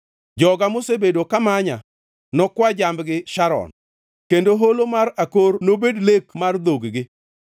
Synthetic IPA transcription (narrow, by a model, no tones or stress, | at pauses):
d͡ʒɔɡamosebedokamaɲa̰ | nɔkwad͡ʒambɡɪʃaɾɔ̰n | kendoɦolomaɾakornobedlekmard̪oɡɡɪ